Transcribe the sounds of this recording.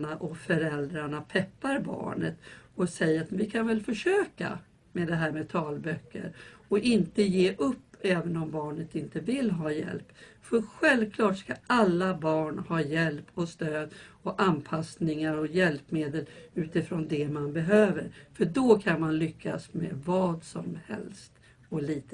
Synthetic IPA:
naʔɔfœɾɛld̪ɾaɳapʰɛpːaɾbɑ̰ːɳə̰t̪ɔsɛjəɾat̪vɪkʰanvɛlfœʂøːka̰ | mɛd̪ɛɦæːɾmɛt̪ʰɑːlbœkːə̰ɾɔʔɪnt̪əjeːʔɵpːɛːvənɔmbɑːɳət̪ɪnt̪əvɪlːɦɑːjɛ̰lp | fœɾɧɛlvkʰlɑːʈskaʔalːabɑːɳhɑːjɛlpʰɔst̪øːd̪ɔʔanpʰasnɪŋaɾɔjɛlpmeːd̪əlʉ̟ːt̪ɪfɾɔnd̪ɛmanbɛɦøːvə̰ɾfœɖɔkʰanmanlʏkʰːa̰smḛvɑːd̪sɔmhɛ̰lst̪ | ɔliːt̪

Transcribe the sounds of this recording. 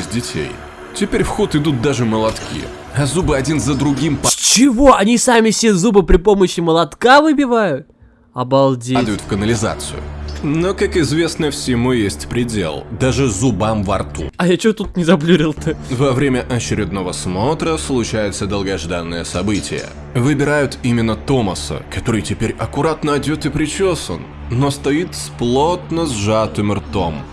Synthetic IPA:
sʲdʲɪtʲḛj | tʲɪpʲeɾʲfxot̪ɨd̪ut̪̚d̪aʐɨməlˠɐt̪kʲḭ | ɐzubɨɐdʲinzəd̪ɾʊɡʲimpt͡ɕɪvo̞ɐnʲisamʲɪsʲezubɨpɾʲɪpo̞məɕːɪməlˠɐt̪kavɨbʲɪvajʊt̪̚ | ɐbɐlˠdʲed̪əjʊt̪fkənəlʲɪza̰t̪sɨ̰jʊ̰nokakɪzvʲe̞snəfsʲɪmujesʲtʲpɾʲɪdʲḛlˠd̪aʐɨzʊbamvɐ̰rt̪ṵɐjat͡ɕot̪ut̪̚nʲɪzɐblʲuɾʲɪlˠt̪ɨvɐvɾʲemʲəʔɐt͡ɕɪɾʲɪd̪̚no̞vəsmo̞t̪ɾəslˠʊt͡ɕæjɪt̪səd̪əlˠɡɐʐd̪anːəjəsɐbɨtʲɪ̰jə̰ | vɨbʲɪɾajʊt̪imʲɪnːət̪o̞məsə̰kɐt̪o̞ɾɨjtʲɪpʲeɾʲɐkʊɾat̪nəɐdʲo̞t̪ɨpɾʲɪt͡ɕo̞sə̰n | no̞st̪ɐit̪splˠo̞t̪̚nəzʐat̪ɨmɨrt̪o̞m

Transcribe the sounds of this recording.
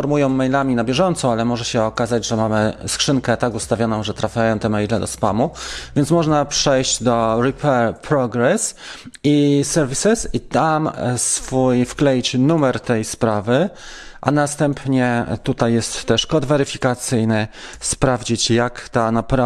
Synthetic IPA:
ɔɾmujɔ̃w̃mɛjlamʲinabʲjɛʐɔnt̪sɔ̃alɛmɔʐɛɕɛɔkazad͡ʑʐɛmamɘskʂɘŋkɛt̪akust̪avʲjɔnɔ̃w̃ʐɛt̪ɾafʲjajɔ̃w̃t̪ɛmɛjlɛd̪ɔspamuvʲjɛnt̪smɔʐnapʂɛjɕd͡ʑd̪ɔɾipʰɛɾpɾɔɡɾɛsisɛɾvʲisɘsit̪amsfujfklɛjt͡ɕnumɛɾt̪ɛjspɾavɘʔa̰nast̪ɛmpɲɛt̪ut̪ajːɛst̪ːɛʂkɔd̪vɛɾɘfʲikat̪sɘjnɘspɾavd͡ʑit͡ɕjakt̪anapɾa

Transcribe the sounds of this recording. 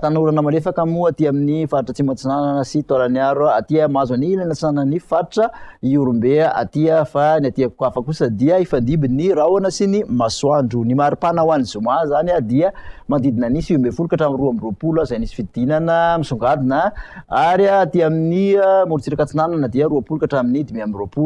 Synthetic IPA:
t̪anuɾanəmalefakamuat̪iaminifaɾʈ͡ʂət͡simat͡sinananəsit̪alaniaɾuaat̪iamazanilanat͡sinanənifaɾʈ͡ʂəiuɾumbeaʔa̰t̪iəfaniat̪iakuafakusəd̪iəifand̪ibinirawanəsinimaswaɳɖ͡ʐunimaɾipanawanizumazaniad̪iəmand̪id̪inənisiumbefulukaʈ͡ʂaminruamiropulazajnisi̥fid̪inanəmisuŋɡad̪inəaɾiaːt̪iaminiəmuɾt͡siɾakat͡sinananad̪iaɾuapulukaʈ͡ʂaminid̪imiamiropulu

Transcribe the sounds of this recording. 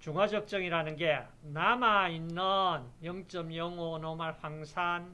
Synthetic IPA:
t͡ɕuŋad͡ʑʌk̚t͡ɕ͈ʌŋiɾanɯnɡe̞ | namainːʌnjʌŋt͡ɕ͈ʌmjʌŋonomaɭɸwaŋsʰan

